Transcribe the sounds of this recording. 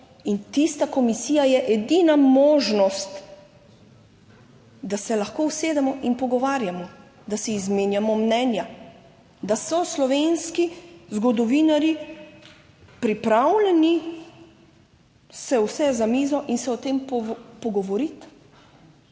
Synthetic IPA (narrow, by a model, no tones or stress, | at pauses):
int̪ist̪akɔmisiːjajɛʔɛd̪inamɔːʒnɔst̪ | d̪asɛlaxkoːwseːd̪ɛmɔʔinpɔɡɔʋaːɾjamɔ | d̪asɛizmeːnjamɔmnɛnja | d̪asɔslɔʋeːnskizɡɔd̪ɔʋiːnaɾji | pɾipɾawlɛni | sɛwsɛzamiːzɔʔinsɛɔt̪emppɔɡɔʋɔɾit̪